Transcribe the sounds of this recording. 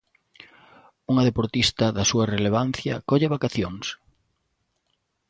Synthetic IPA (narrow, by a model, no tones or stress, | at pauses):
uŋɐðepoɾt̪ist̪ɐðɐsuɐreleβ̞anθjɐkɔʎeβakaθjoŋs